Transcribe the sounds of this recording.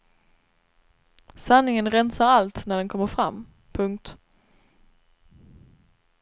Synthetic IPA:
sanːɪŋənɾɛnsaɾalt̪næɖɛnkʰɔmːəɾfɾa̰mː | pʰɵŋk̚t̪

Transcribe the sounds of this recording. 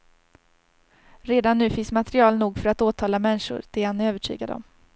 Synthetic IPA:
ɾeːd̪anːʉ̟ːfɪnsmat̪ɾɪɑːlnuːɡfœɾat̪oːt̪ʰɑːlamɛnːʂʊ̰ɾd̪̥ɛhanøːvəʈʰy̰ːɡad̪əɔ̰m

